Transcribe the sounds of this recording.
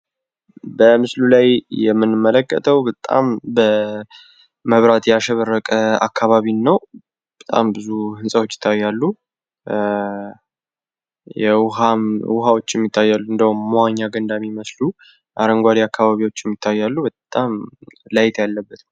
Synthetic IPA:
bəmɨslulajjɛmːɨnːɨmːələkːə̰t̪ʰəwbət̪ʼa̰mbə | məβɾat̪jɛaʃɛβərːəkʼəa̰kʰːaβaβinːəw | bət̪ʼa̰mbɨzuhɨnsʼəwot͡ʃːɪ̥t̪ʰːajːalːu | jɛwhamwʊɦawo̞t͡ʃːɛmːit̪ʰːajːalːuɨnd̪əhumːaɲːaɡənd̪amiməslu | ʔaɾəŋɡʷad̪iakʰːaβaβiwo̞t͡ʃːjɛmːit̪ʰːajːalːubət̪ʼamlajt̪ʰjalːəbːət̪

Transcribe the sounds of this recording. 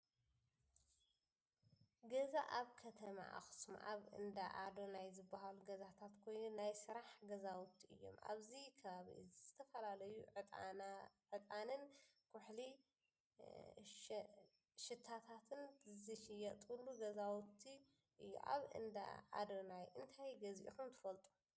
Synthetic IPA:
ɡɐzaʔaβkʰɐt̪ʰɐma̰ʔa̰xɨ̥sma̰ʔa̰βɨ̰nd̪aʔad̪onajzɨbːaɦaluɡɐzat̪ʰat̪kʰo̞jnunajsɨɾaħɡɐzawt̪ʰːiʔɨ̰jːo̞̰mʔa̰βzikʰɐβaβḭɨ̰zzɨt̪ʰɐfɐlalɐju | ʕɨt̪ʼanɨnkʰʊħli | ʃɨt̪ʰːat̪ʰat̪ʰɨnɨzɨʃijɐt̪ʼulːuɡɐzawt̪ʰi | ʔɨjːṵʔa̰βɨ̰nd̪a̰a̰d̪onajʔɨnt̪ʰajɡɐzʔḭkumt̪ʰɨfɐlt̪ʼu̥

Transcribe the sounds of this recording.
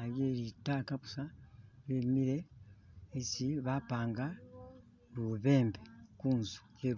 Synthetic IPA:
aβjeːɾitaːkaβusaɾemiɾe̞ː | siβapaːŋɡa | ɾuβe̞ːmbekuːnzu̥ceːɾ

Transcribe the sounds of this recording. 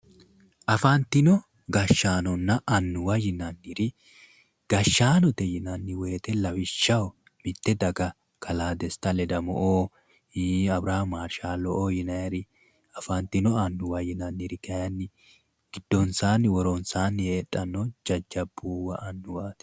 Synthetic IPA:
ʔɐfant̪ːɪnɔ | ɡɐʃːaːnɔnːɐʔɐnːʊwɐjɪnɐnːiɾɪ | ɡ̥ɐʃːaːnɔt̪ɛjɪnɐnːɪweːt̪ɛlɐwɪʃːɐw | mɪt̪ːɛd̪ɐɡɐ | kʰɐlaːd̪ɛst̪ːɐlɛd̪ɐmɔ̰ʔoː | iːɐbɾaːmaːɾʃaːlɔʔoːjɪnɐjɛɾɪ | ɐfɐnt̪ːɪnɔɐnːʊwɐjɪnɐnːiɾɪk̪ʰɐjɐnːɪ | ɡ̥ɪd̪̥ːɔnsaːnːɪwɔɾɔnsaːnːheːtʼːɐnːɔd͡ʒɐd͡ʒːɐbːuːwɐ̰ʔɐnːʊwaːt̪

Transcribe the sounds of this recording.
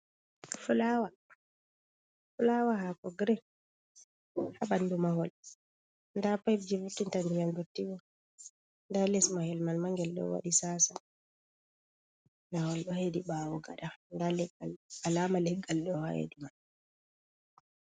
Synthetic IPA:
fulawa | fulawaɦakɔɡɾɛ | haɓanːdumaɦɔl | ndapab̚d͡ʒivutːintandijandutːiɡɔ | ndalɛsmahɛlmalmaŋɡɛlɗɔ̰wa̰ɗisaːsa | nahɔlɗɔhediɓawɔɡa̰ɗandalɛɡalalamalɛɡalɗɔha̰hḛdiman

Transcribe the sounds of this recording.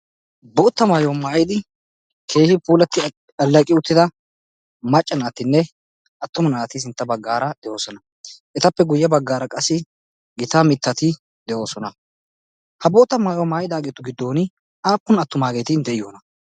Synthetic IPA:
boːt̪ːɐmaːjomaːjɪd̪ɪ | kʰe̞ːhɪpuːlɐt̪ːɪ | ɐlːɐkʼɪʊt̪ːɪd̪ɐ | mɐt͡ʃʼːɐnaːt̪ːɪnːɛ | ʔɐt̪ːʊmɐnaːt̪ɪs̬ɪnt̪ːɐbɐɡːaːɾɐd̪̥ɛjo̞ːsɔnɐ | ʔɛt̪ɐpːɛɡʊjːɐbɐɡːaːɾɐkʼɐsːɪ | ɡɪt̪amɪt̪ːɐt̪ɪ | d̪ɛʔo̞ːsɔnɐ | hɐboːt̪ːɐmaːjɔmaːjɪd̪aːɡet̪ːʊɡɪd̪ːo̞ːnɪ | aːpːʊnɐt̪ːʊmaːɡeːt̪ɪnd̪ɛʔɪjoːnɐ

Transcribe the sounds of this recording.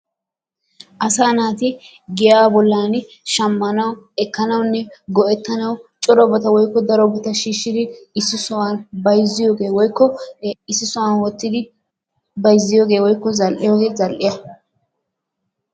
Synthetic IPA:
ʔɐsaːnaːt̪ɪ | ɡɪjaːbɔlːaːn | ʃɐmːɐnɐwɛkːɐnɐwnːɛɡɔʔɛt̪ːɐnɐwt͡ʃʼɔɾɔbɐt̪ɐwɔjkːɔd̪ɐɾɔbɔt̪ɐʃiːʃːɪd̪ɪɪsːɪsʊwanbɐjzːɪjo̞ːɡe̞ːwɔjkːɔɪsːɪsʊwanwɔt̪ːɪd̪ɪ | bɐjzːɪjoːɡe̞ːwɔjkːɔzɐlʔɪjoːɡe̞ːzɐlʔɪjɐ

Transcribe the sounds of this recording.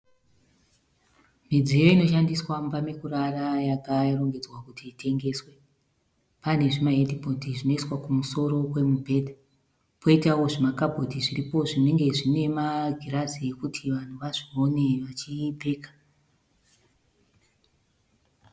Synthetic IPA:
mid͡zijo̞ino̞ʃandiswambamekuɾarajakaro̞ŋɡe̞d͡zwakutʰiːtʰe̞ŋɡe̞swe | pane̞ʐimaɦedipotiʐino̞iswakumuso̞ɾo̞kwe̞mubʱe̞dʱa | pʰo̞itawo̞ʐimakabʱo̞tiʐiripo̞ʐine̞ŋɡe̞ʐine̞maɡʱiraziekutʰiʋan̤uʋaʐio̞ne̞ʋat͡ʃipe̞ːkḁ

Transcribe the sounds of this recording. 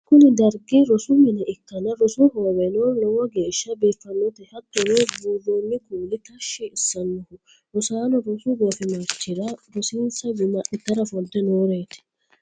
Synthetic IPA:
kʊnɪd̪ɐɾɡiɾɔsʊmɪnɛʔɪkːɐnɐɾɔsʊhoːwɛnoːnlɔwɔɡeːʃːɐbeːfːɐnːɔt̪ɛhɐt̪ːʊnɛbuːrːoːnːɪkuːlɪt̪ɐʃːɛɪsːɐnːɔhʊ | ɾɔsaːnɔɾɔsʊɡeːfɪmɐɾt͡ʃːɪɾɐɾɔsiːnsɐd͡ʒʊmɐʔɪt̪ːɐɾɐfɔlt̪ːɛnoːɾeːt̪ɪ̥

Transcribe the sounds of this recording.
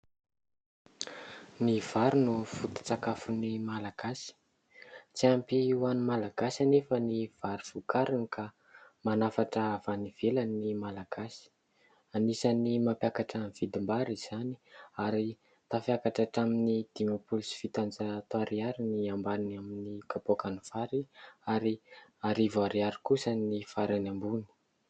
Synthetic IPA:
niv̥aɾunufut̪i̥t͡sakafunimalaɡ̥asi̥ | t͡siampiiwanumalaɡasanefəniv̥aɾufukaɾinikʰa | manafaʈ͡ʂəːv̥aniv̥elanimalaɡ̥asi̥ | anisanimapjakaʈ͡ʂanv̥id̪imbaɾiz̥ani̥aɾi | t̪afjakaʈ͡ʂaʈ͡ʂaminid̪̥imopulusi̥fit̪and͡zat̪oaɾiaɾiniambaninaminikapokanufaɾiaɾiaɾivaɾiaɾi̥kusanifaɾanambuni̥

